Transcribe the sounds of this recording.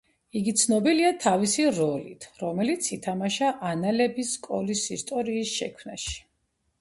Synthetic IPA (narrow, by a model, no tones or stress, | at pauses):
iɡit̪sʰnɔbiliat̪ʰavisiɾɔlit̪ʰɾɔmɛlit̪sʰit̪ʰamaʃaʔanalɛbiskʼɔlisist̪ʼɔɾiːsʃɛ̰kʰwmnaʃi̥